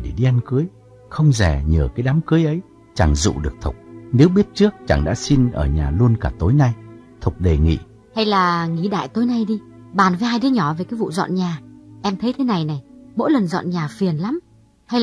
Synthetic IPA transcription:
ɗe˧˩ɗi˧ʔa˧nkɨ˨˦əj | xə˧wŋ͡mzɛ˨˩ɲəː˨˩kaː˨˦jɗaː˨˦mkɨ˨˦jʔə˨˦j | t͡ɕa˨˧˩ŋzṵ˧˨ɗɨ˨˩ək̚t̪ʰʊ̰˨˩k͡p̚ne˨˦wɓi˦˥ət̚t͡ɕɨ˦˥ək̚t͡ɕa̰˧˩ŋɗa̰ː˧˥si˧nʔəː˧˩ɲaː˨˩lu˧ənkaː˧˩t̪o˨˦jna˧j | t̪ʰʊ˨˩k͡p̚ɗe˨˩ŋḭ˧˨ | ha˧jlaː˨˩ŋi˧˩ɗa̰ː˧˨jt̪o˨˦jna˧jɗi˧ | ɓaː˨˩nvə˨˦haː˧jɗɨ˨˦ɲɔ˧˩ve˨˩kaː˨˦jvṵ˧˨zɔ̰˧˨nɲaː˨˩ʔɛ˧mt̪ʰə˨˦jt̪ʰe˨˦na˨˩jna˨˩jmo̰˧˥jlə˨˩nzɔ̰˧˨nɲaː˨˩fi˨˩ənla˨˦m | ha˧j

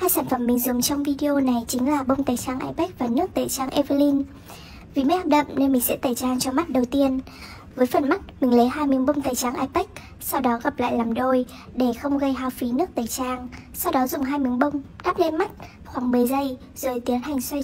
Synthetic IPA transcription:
haː˧jsaː˧˩nfə˧˩mːï˨˩ŋ̟zʊ˨˦ŋ͡mt͡ɕɔ˧wŋ͡mvi˧ɗi˧ʔo˧na˨˩jt͡ɕï˨˦ŋ̟laː˨˩ɓə˧wŋ͡mt̪aː˨˩jt͡ɕaː˧ŋʔa̰˧jpɛ˦˥k̚vaː˨˩nɨ˦˥ək̚t̪əː˨˩t͡ɕaː˧ŋʔɛ˧və˧li˧n | vi˨˩mə˨˦jhaː˧p̚ɗə̰˧˨mne˧nmï˨˩ŋsɛ̰˧˥t̪aː˨˩jt͡ɕaː˧ŋt͡ɕɔ˧ma˦˥t̚ɗə˨˩wt̪i˧ən | vəː˨˦jfə˨˩nma˦˥t̚mï˨˩ŋ̟lə˨˦jɦaː˧jmɨ˨˦ŋɓə˧wŋ͡mt̪aː˨˩jt͡ɕaː˧˩ŋʔaː˧jpɛ˦˥k̚ | sa˧wɗɔ˨˦ɣa˨˩p̚la̰ː˧˨jlaː˨˩mɗo˧j | ɗe˧˩xə˧wŋ͡mɣə˧jɦaː˧wfi˨˦nɨ˦˥ək̚t̪əː˨˩jt͡ɕaː˧ŋsa˧wɗɔ˨˦zʊ˨˩ŋ͡mɦaː˧jmɨ˨˦ŋɓə˧wŋ͡mɗaː˦˥p̚le˧nma˦˥t̚ | xwaː˧˩ŋmɨː˨˩əjzə˧j | zəː˨˩jt̪i˨˦ənɦa˨˩jŋ̟swa˧j

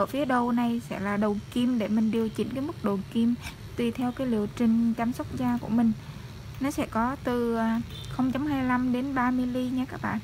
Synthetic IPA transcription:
əː˧˩fi˨˦əɗə˧wna˨˩jsɛ̰˧˥laː˨˩ɗə˨˩ki˧mɗe˧˩mï˨˩ŋ̟ɗi˨˩əwt͡ɕï˧˩ŋ̟kaː˨˦jmɨ˦˥k̚ɗo˨˩ki˧m | t̪wi˨˩t̪ʰɛ˧wkaː˨˦jlḭ˧˨əwt͡ɕï˨˩ŋ̟t͡ɕaː˧msə˦˥k͡p̚zaː˧ku˧˩əmï˨˩ŋ̟ | nɔ˨˦sɛ̰˧˥kɔ˨˦t̪ɨ˨˩a˨˩xə˧wŋ͡mt͡ɕa˨˧wmɦaː˧jla˧mɗe˨˦nɓaː˧mɨ˧jli˧ɲaː˧kaː˦˥k̚ɓa̰ː˧˨nʔ

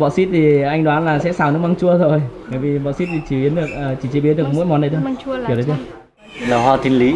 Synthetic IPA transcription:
ɓɔ̰˧˨si˦˥t̚t̪ʰi˨˩ʔa˧ŋɗwaː˨˦nlaː˨˩sɛ̰˧˥saː˨˩wnɨ̰˨˧˥maː˧ŋt͡ɕu˧əzo˨˩jt̪aː˧˨jvi˨˩ɓɔ̰˧˨˩si˦˥t̚t̪ʰi˨˩t͡ɕi˧˩i˨˦ənɗɨ˨˩ək̚ʔəː˨˩t͡ɕi˧˩t͡ɕi˧˩˦ɓi˨˦nɗɨ˨˩əkmo̰˧˥˦jmɔ˨˩nːə˨˩jt̪ʰːki˩ɗə˨˦t̪ʰː | laː˨˩ɦwaː˧t̪ʰi˧nli˨˦

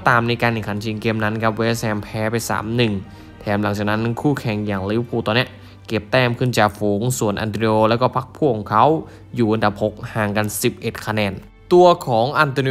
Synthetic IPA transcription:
t̪aː˨˩mna˧jkaː˧ne˨˩ŋkʰa˨˩˦nt͡ɕʰi˧ŋke˧mna˦˥nkʰa˦˥p̚weː˧˥˧sɛː˧mpʰɛː˦˥pa˧jsa̰ː˩˦mnɯ˨˩ŋ | t̪ʰɛː˨˩˦mla˨˩˦ŋt͡ɕaː˨˩k̚na˦˥nkʰuː˥˩kʰɛ˨˩ŋjaː˨˩ŋlɯː˨˥˦pʰuː˧˩t̪ɔː˧ni˦˥ə | ke˨˩p̚t̪ɛː˧˥˩mkʰɯ˧˥˩nt͡ɕaː˨˩k̚fuː˨˩˦ŋsu˨˩ənʔa̰˧nt̪i˧oː˧lɛː˦˥wkɔː˧˥˩pʰa˦˥k̚pʰuː˧˥˩kʰːɔː˨˦ŋkʰa˦˥w | juː˨˩ʔa˧nda˨˩p̚ho˨˩k̚haː˨˩ŋka˧nsi˨˩p̚ʔe˨˩t̪̚kʰa˧nɛː˧n | t̪u˧ɐkʰɔː˩˦ŋʔa˧nt̪ɔː˧ni˧

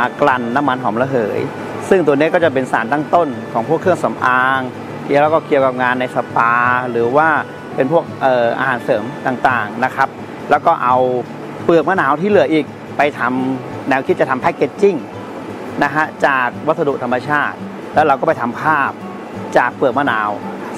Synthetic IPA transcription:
kla˧nːa˦˥mːa˧nɦɔː˩˦mla˧ɦɤː˩˦j | sɯ˥˩ŋt̪̬u˧əni˦˥˩kɔː˥˩t͡ɕa˨˩p̬e˧nsaː˩˦nt̪aː˥˩ŋt̪o˥˩nkʰɔː˩˦ŋpʰu˥˩əkʰːɯ˥˩əŋsa˩˦mʔaː˧ŋ | kːwlɛː˦˩kɔː˥˩ki˧əwka˨˩p̚ŋaː˧nːa˧jsa˧paː˧ɾɯː˩˦waː˥˩ | pe˧npʰu˥˩ək̚ʔɤː˨˩ʔa̰ː˧ɦaː˩˦nsɤː˩˦mt̪aː˨˩ŋt̪aː˨˩ŋna˦˥kʰa˦˥p̚ | lɛː˦˥wkɔː˥˩ʔa˧w | pɯ˨˩ək̚maː˥˩naː˨˩˦wt̪ʰiː˥˩lɯ˩˦əjʔiː˨˩k̚ | pa˧jt̪ʰa˧m | nɛː˦˥wkʰi˦t̪̚t͡ɕa˨t̪ʰmpʰa˦˧˥kːe˧˥t̪̚t͡ɕi˥˩ŋ | na˦˥kʰa˦˥t͡ɕaː˨˩k̚wa˦˥t̪̚sa˧du˨t̪ʰa˧mːa˧t͡ɕʰaː˥˩t̪̚ | lɛː˦˥wɾa˧wkɔː˥˩pa˧jt̪ʰa˧mpʰaː˥˩p̚ | t͡ɕaː˨˩k̚pɯ˨˩ək̚maː˥˩naː˨˦w

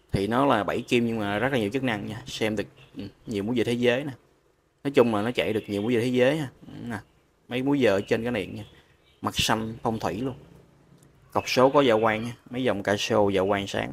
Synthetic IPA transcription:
t̪ʰi˨˩nɔ˨˦laː˨˩ɓa˧˩jki˧mɲɨ˧ŋmaː˨˩zə˦˥t̚la˨˩ɲi˨˩wt͡ɕə˦˥k̚na˧ŋɲaː˧sɛ˧mɗɨ˨˩ək̚ʔɲi˨˩mu˨˦jzəː˧˨˩t̪ʰe˨˦zəː˨˦jna˨˩ | nɔ˨˦jt͡ɕʊ˧ŋ͡mlaː˨˩nɔ˨˦t͡ɕa̰˧˩˨jɗɨ˨˩ək̚ɲi˨˩mu˨˦jzə˨˩e˨˦zəː˨˦jɲaː˧ʔna˨˩ | mə˨˦jmu˨˦jzəː˨˩t͡ɕe˧nkaː˨˦˥ɗḭ˧˨ənɲaː˧ | ma˨˩k̚sa˧nfə˧wŋ͡mt̪ʰwḭ˧˩lu˧ən | kə˨˩wk͡p̚so˨˦kɔ˨˦zaː˧˩kwaː˧ŋɲaː˧mə˨˦jzə˨˩wŋ͡mkaː˧si˧o˧zaː˧˨˩kwaː˧ŋsa̰ː˨˦ŋ

